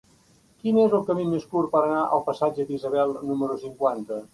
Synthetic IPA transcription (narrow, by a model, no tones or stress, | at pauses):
kinezəlˠkəmimeskuɾpəɾənaʔə̰lˠpəsad͡ʒəd̪izəβɛlˠnuməɾusiŋkwant̪ə